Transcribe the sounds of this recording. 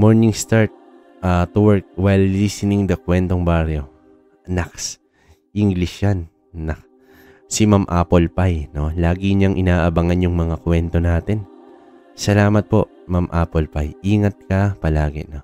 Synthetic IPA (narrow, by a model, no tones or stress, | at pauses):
moɹnɪŋst̪aɹt̪̚ | at̪uwɛɹk̚wɛjlːisɪnɪŋd̪ɐkwɛnt̪oŋbaɾjo̞ | naks | ʔiŋɡlɪʃanː | ɐk̚ | sɪmamʔa̰ːpolpajno̞laːɡɪɲaŋʔɪnaːʔɐbɐŋanjʊŋmɐŋakwɛnt̪o̞naːt̪ɪn | sɐlaːmɐt̪̚po̞ʔ | mamʔaːpolpajʔiːŋɐt̪̚kɐpɐlaːɡɪ̰no̞